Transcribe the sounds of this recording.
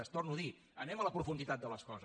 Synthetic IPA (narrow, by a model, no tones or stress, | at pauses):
əst̪ornuði | ənɛmələpɾufund̪it̪at̪̚d̪ələskɔzə